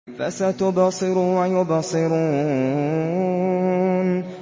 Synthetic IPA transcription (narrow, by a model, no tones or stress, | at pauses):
fa̰sat̪ʊbɑsˤɨɾuwajʊbɑsˤɨɾuː | n